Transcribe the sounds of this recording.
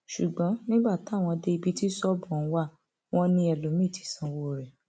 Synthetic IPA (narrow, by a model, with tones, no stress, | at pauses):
ʃu˨ɡ͡bɔ̃˨˦nĩ˦ɡ͡ba˦˨ta˨˦˨w̃ɔ̃˧de˧i˧bi˧˦ti˦sɔ˦bũ˨˧˦wa˦˨ | w̃ɔ̃˧nĩ˧ɛ˧lo˨˦mĩ˦˨ti̥˨˦sã˧wo˧˦˨ɾɛ˨